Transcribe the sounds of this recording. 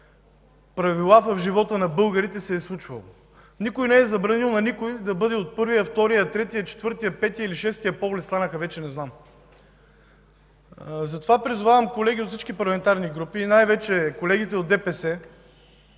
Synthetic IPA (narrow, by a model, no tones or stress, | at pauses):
pɾɐvilˠavɐvʒivɔt̪ənɐbɤlˠɡəɾit̪ɛsɛːslˠut͡ʃvɐ̰lˠo̰ | nikojnɛɛzɐbɾɐnilˠnɐnikojd̪ɐbɤd̪ɛot̪̚pɤɾvijɐft̪ɔɾijɐt̪ɾɛt̪ijət͡ʃɛ̥t̪vɤɾt̪ijəpɛt̪ijəiliʃɛst̪ijəpɔvlɛt̪st̪anəxɐvɛt͡ʃɛnɛznam | zɐt̪ovapɾizʊvavɐmkolɛɡʲiot̪fsit͡ʃkipɐɾlˠɐmɛnt̪aɾniɡɾupiːnajvɛt͡ʃɛkolɛɡʲit̪ɛod̪ɛpɛsɛ